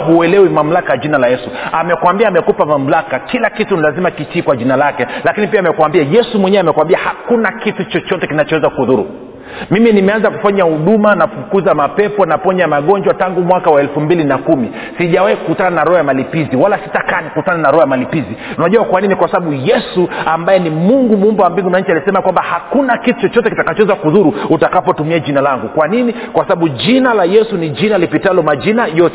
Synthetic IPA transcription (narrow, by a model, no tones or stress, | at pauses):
ɦuɛlɛwimam̩lakajaʄinalajɛsuamɛkwambiaːmɛkupamam̩lakakilakitunilazimakit͡ʃiːkwaʄinalakɛlakinipiaːmɛkwambiajɛsumwɛɲɛamɛkwambiahakunakitut͡ʃɔt͡ʃɔtɛkinat͡ʃɔwɛzakuhuðuɾṵ | miminimɛanzaku̥faɲahuɗumanafukuzamapɛpɔnapɔɲamaɠɔɲd͡ʒwataŋɡumwakawaɛlfumbilinakumi | siʄawahikukutananaɾɔhɔjamalipiziwalasi̥takanikuutananaɾɔhajamalipiziunaʄuwakwaninikwasaɓaɓujɛsuambajɛnimuŋɡumumbawambiŋɡunaɲ̩t͡ʃialisɛmakwambahakunakitu̥t͡ʃɔt͡ʃɔtɛkitakat͡ʃɔwɛzakuðuɾuutakapɔtumiad͡ʒinalaŋɡukwanini | kwasaɓaɓud͡ʒinalajɛsunid͡ʒinalipitalɔmad͡ʒinajɔtɛ